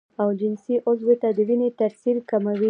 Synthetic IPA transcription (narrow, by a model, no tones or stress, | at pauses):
awd͡ʒɪnsiʔʊzwet̪ad̪əwinet̪aɾsiɾkamawi